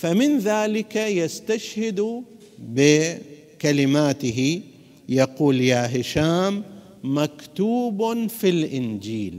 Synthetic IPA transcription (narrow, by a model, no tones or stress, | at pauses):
famɪnðaːlɪkajast̪aʃhɪd̪u | bɪ | kalɪmaːt̪ɪɦi | jaquːljaːɦɪʃaːmː | akt̪uːbfilʔɪnd͡ʒiːl